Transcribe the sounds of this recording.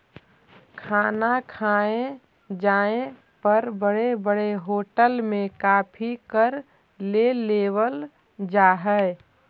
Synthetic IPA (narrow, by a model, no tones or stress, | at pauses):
kʰaːnakʰaːẽ | d͡ʒaːẽ | pəɾbəɽebəɽeɦoːʈəlmẽkaːpʰikəɾ | leleːwəl | d͡ʒaːɦɛ